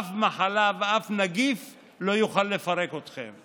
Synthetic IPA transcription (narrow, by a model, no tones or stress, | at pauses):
fmaħalaveafnaɡif | lo̞juχalːe̞faʁe̞ko̞t̪χḛm